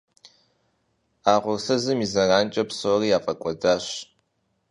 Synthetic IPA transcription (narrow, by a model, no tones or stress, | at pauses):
aːʁʷʊrsɐzɨmizɐraːnt͡ʃʼɐpsoːriːaːfʼɐkʷʼɔdaːɕ